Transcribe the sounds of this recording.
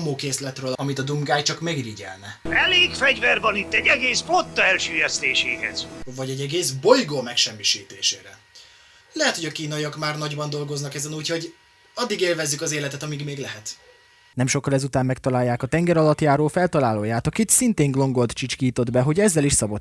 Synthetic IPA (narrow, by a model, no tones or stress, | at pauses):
moːkeːslɛt̪røːlɒmit̪ɒd̪umɡaːjt͡ʃɒkmɛɡriɟɛ̰lnɛɛleːkfɛɟvɛrbɒnit̪ːɛɟːɛɡeːspot̪ːɒɛlʃyːjɛst̪eːʃeːɦɛ̰z̥vɒɟɛɟːɛɡeːzbo̞jɡoːmɛkʃɛmːiʃiːt̪eːʃḛːɾɛ | lɛɦɛt̪hoɟɒkiːnɒjiɒkmaːrnɒɟbɒnd̪o̞lɡo̞znɒkɛzɛnuːcho̞ɟ | ɒd̪ːiɡeːlvɛzːykɒzeːlɛt̪ɛt̪ɒmiɡmeːɡlɛɦɛt̪ | nɛmʃo̞kːɒlɛzut̪aːmmɛk̚t̪ɒlaːjːaːkɒt̪ɛŋɡɛɾɒlɒt̪jaːɾoːfɛlt̪ɒlaːloːjaːt̪ɒkit̪sint̪eːŋɡlo̞ŋɡot̪t͡ʃit͡ʃkiːt̪o̞d̪bɛɦo̞ɟɛzːɛliʃsɒbot̪